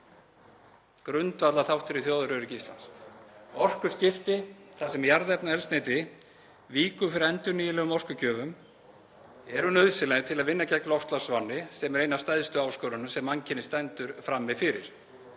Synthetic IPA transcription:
kɾʏnt̪vat̪laθawht̪ʏɾiθjoːðʏɾʏɾɪcist̪la̰ns | ɔr̥kʏscɪft̪ɪθasɛmjaɾðɛpnaɛlst̪neːt̪ɪ | viːkʏfɪɾɪɾɛnt̪ʏɾniːjɪlɛɣʏmɔr̥kʏcʰœːvʏm | ɛɾʏnœðsɪlajt̪ʰɪlaðvɪnːacɛklɔht̪lasvanːɪsɛmɛɾeːjnast̪ajðst̪ʏaːwskœːɾʏnʏsɛmaŋcʰɪnːɪst̪ɛnt̪ʏɾ̥fɾamːɪfɪɾɪ̰ɾ̥

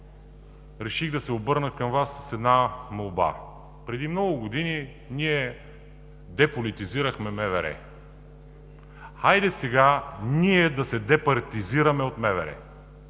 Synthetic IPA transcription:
ɾɛʃiɣd̪ɐsɛobɤɾnəkɐmvasːsɛd̪namolˠba̰ | pɾɛd̪imnɔɡʊɡod̪ini | niɛ | d̪ɛpolit̪iziɾəxmɛmɛvɛɾɛ̰ | ajd̪ɛsɛɡaniɛd̪ɐsɛd̪ɛpɐɾt̪iziɾɐmɛot̪mɛvɛɾɛ̰

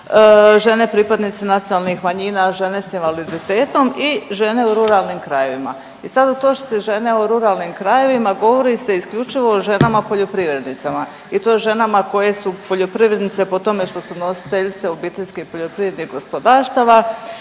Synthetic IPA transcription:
ʒe̞ne̞pɾiːpad̪nit̪sinat̪sijonalˠnixmaɲiːnaʒe̞ne̞sinʋalid̪it̪e̞ːt̪o̞miʒe̞ne̞uɾuɾalnimkɾaje̞ʋima̰ | isad̪ut̪o̞ʃi̥t̪siʒe̞ne̞oɾuɾalnimkɾaje̞ʋimaɡo̞ʋo̞ɾise̞iskʎʲut͡ʃiʋo̞ːʒe̞namapo̞ʎo̞pɾiʋɾe̞d̪nit̪sama | it̪o̞ʒe̞namako̞je̞supo̞ʎo̞pɾiʋɾe̞d̪nit̪se̞po̞t̪o̞me̞ʃt̪o̞suno̞si̥t̪eʎt̪se̞o̞biːt̪eʎʲskeipoʎo̞pɾiʋɾed̪niɣɡo̞spod̪aːɾst̪aʋa

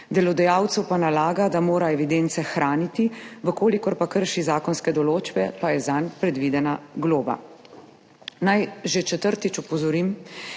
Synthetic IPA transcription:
d̪ɛlɔd̪ɛjaːwt̪sɛwpanalaːɡad̪amoːɾaɛʋid̪ent̪sɛxɾaːnit̪iʋəkoːlikɔɾpakəɾʃizaːkɔnskɛd̪ɔloːd͡ʒbɛpajɛzanpɾɛd̪ʋid̪ɛnaɡloːba̰ | najʒet͡ʃɛt̪əɾt̪it͡ʃɔpɔzɔɾim

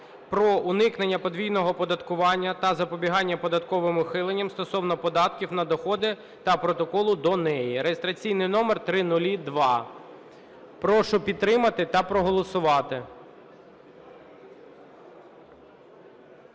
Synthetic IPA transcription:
pɾɔʔʊnɪknenʲːɐpɔd̪ʋʲijnɔɦɔpɔd̪ɐt̪kʊʋɑnʲːɐt̪ɐzɐpɔbʲiɦɑnʲːɐpɔd̪ɐt̪kɔʋɪmʊxɪlˠenʲːɐmst̪ɔsɔwnɔpɔd̪ɑt̪kʲiwnɐd̪ɔxɔd̪ɪ | t̪ɐpɾɔt̪ɔkɔlˠʊd̪ɔnɛjiɾejest̪ɾɐt͡sʲijnɪjnɔmert̪ɾɪnʊlʲid̪ʋɑ | pɾɔʃʊpʲid̪ɾɪmɐt̪ɪt̪ɐpɾɔɦɔlˠɔsʊʋɑt̪ɪ

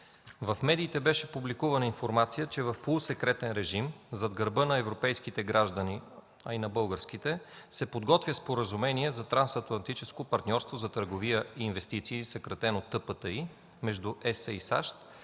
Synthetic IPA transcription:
vɐfmɛd̪iːt̪ɛbɛʃɛpublikuvɐnəinfoɾmat̪sijət͡ʃɛvɐfpolˠʊsɛkɾɛt̪ɛnɾɛʒimzɐd̪ɡəɾbɤnɐɛvɾopɛjskit̪ɛɡɾaʒd̪əni | ɐinɐbɤlˠɡəɾskit̪ɛsɛpod̪ɡɔt̪vʲjəspoɾəzumɛniɛzɐt̪ɾansɐt̪lˠɐnt̪it͡ʃɛskopɐɾt̪nʲɔɾst̪vozɐt̪əɾɡovijəiːnvɛst̪it̪siːsəkɾɐt̪ɛnot̪ːɤpət̪əi | mɛʒd̪uʔɛsəisa̰ʃt̪

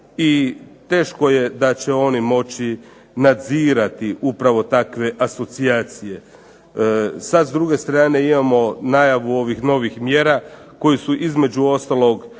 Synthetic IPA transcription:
it̪e̞ːʃko̞je̞d̪at͡ɕeo̞nimo̞t͡ɕi | nad̪ziːɾat̪iʔupɾaʋo̞t̪akʋe̞ʔaso̞t̪siaːt̪sije̞ | sad̪zd̪ɾuɡe̞st̪ɾaːne̞imamo̞najaʋuo̞ʋixno̞ʋixmjeːɾa | ko̞jisuʔizme̞d͡ʒuo̞st̪alˠo̞ɡ

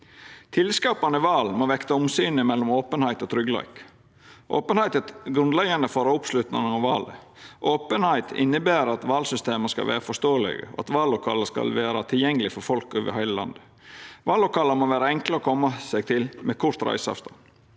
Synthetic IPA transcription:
t̪ʰɪlskɑːpɑnəɪʋɑːlmoːʋɛkt̪ɑʊmsyːnəmɛlːɔmoːpənhæɪt̪ɔt̪ʰɾʏɡlæ̰ɪk | ʔoːpənhæɪt̪ət̪ɡɾʉnd̪lɛɡɑnd̪əfoːɾɑʊpslʉt̪nɑŋəɑʋɑːlə̰ | ʔoːpənhæɪt̪ʰɪ̰nːəbæːɾɑt̪ʋɑːlsʏst̪eːməskɑ̰ʋæ̰ːɾəfɔʂt̪oːəlɪ̰ɡə̰ɔ̰ɑ̰t̪ʋɑːlːʊkʰɑ̰ːləskɑ̰lʋæːɾɑt̪ʰɪljɛŋːəlɪfɔɾfɔlkʉʋə̰hæɪləlɑ̰nd̪ə | ʋɑːlːʊkʰɑːləmoːʋæːɾɑɛŋkləɾoːkʰɔmːɑsɛɡt̪ʰɪlmɛkʰʊʂt̪ɾæ̰ɪsɑɛ̰ft̪ɑ

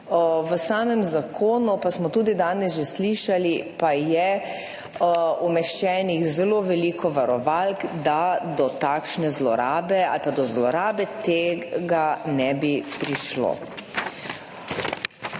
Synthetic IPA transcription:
ʋəsaːmɛmzakʰoːnupasmɔt̪uːd̪id̪aːnɛsʒɛsliːʃalipajɛ | umɛʃt͡ʃɛːniɣzɛloʋɛliːkʰɔʋaɾɔʋalkd̪ad̪ɔt̪akʃnɛzlɔ̰ɾaːbɛa̰lpad̪ɔzlɔɾaːbɛt̪eɡanɛbipɾiʃlo̰ː

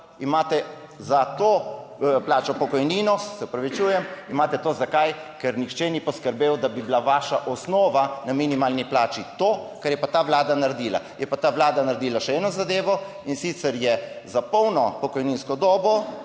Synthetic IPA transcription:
imaːt̪ɛ | zat̪oplaːt͡ʃɔpɔkɔjniːnɔsɛɔpɾaʋit͡ʃuːjɛmimaːt̪ɛt̪oːzakajkɛɾnixt͡ʃɛnipɔskəɾbeːwd̪abiblaʋaːʃaʔɔsnɔːʋanaminimaːlniplaːt͡ʃit̪okɛɾjɛpat̪aːʋlaːd̪anaɾd̪iːla̰jɛpat̪aːʋlaːd̪anaɾd̪iːlaʃɛɛːnɔzad̪eːʋɔ | insiːt̪sɛɾjɛzapɔwnɔpɔkɔjninskɔd̪ɔːbɔ

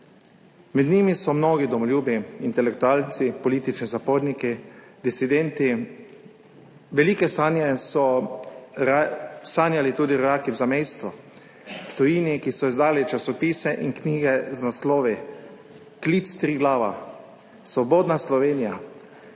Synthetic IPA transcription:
mɛd̪niːmisɔmnoːɡid̪ɔmɔlʲjuːbiint̪ɛlɛk̚t̪uaːlt̪sipɔliːt̪it͡ʃnizapoːɾniki | d̪isid̪ɛnt̪i | ʋɛlikɛsaːnjɛsɔ | saːnjalit̪uːd̪iɾɔɾaːkiwzamejst̪ʋɔ | ft̪ɔjiːnikisɔizd̪aːlit͡ʃasɔpiːsɛʔinkniːɡɛznaslɔːʋi | kliːt̪st̪ɾiːɡlaːʋa̰ | sʋɔboːd̪naslɔʋeːnija

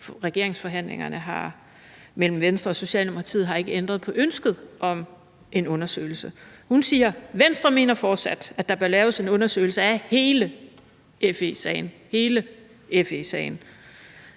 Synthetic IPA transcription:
ʁɛɡ̥e̝ɐe̝ŋsfɒ̽ɦæn̰le̝ŋɐnəɦɑ̈ | mel̰m̩ʋensd̥ʁɐɒ̽so̝ɕɛ̰ːlnimuɑ̈t͡sʰḭð̩ˠɦɑ̈e̝ɡ̥əend̥ʁɐðˠpʰɒ̽ʔønsɡ̥ð̞̩ˠʔɒ̽m | ʔe̝nɔ̽nɐsø̰ːɪl̩səhunsiːɐʋensd̥ʁɐme̝̰ːnɐfɒːd̥sæd̥æd̥ɑ̈b̥ɶɐlɛːʊse̝nɔ̽nɐsø̰ɪl̩səæhe̝ːlə | ʔefesɛ̰ɪn̩ | he̝ːlə | efesɛ̰ɪn̩

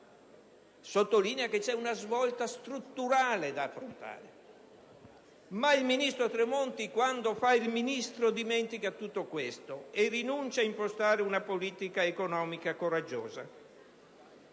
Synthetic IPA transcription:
sot̪ːoliːneaket͡ʃɛunazvɔlt̪ast̪ɾut̪ːuɾaːled̪aːfːɾont̪a̰ːɾe | mailminist̪ɾot̪ɾemont̪ikwand̪ofailminist̪ɾod̪imɛnt̪ikat̪ːut̪ːokwest̪oerinunt͡ʃaimpost̪aːɾeunapoliːt̪ikaekonɔːmikakoɾad͡ʒːɔ̰ːza

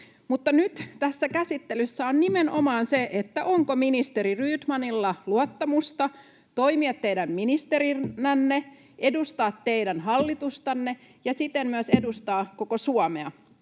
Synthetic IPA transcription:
mut̪ːɑnyt̪t̪æsːækæsit̪ːelysːæonnimenʔomɑːnseʔet̪ːæʔoŋkominist̪eɾiryːt̪mɑnilːɑluot̪ːɑmust̪ɑ | t̪oimiɑt̪ːejdæmminist̪eɾiːænːe | ʔedust̪ɑːt̪ːeidænɦɑlːit̪ust̪ɑnːe | jɑsit̪emmyøsedust̪ɑːkokosuɑmeɑ

